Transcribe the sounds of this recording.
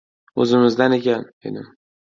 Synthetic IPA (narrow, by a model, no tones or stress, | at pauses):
ɵzɪmɪzd̪anekʲʰanḛd̪ɪm